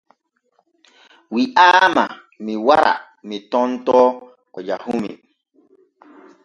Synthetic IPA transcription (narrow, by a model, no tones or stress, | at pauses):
wiʔaːma | miwaɾa̰ | mitɔ̃ntɔː | kɔd͡ʒahumḭ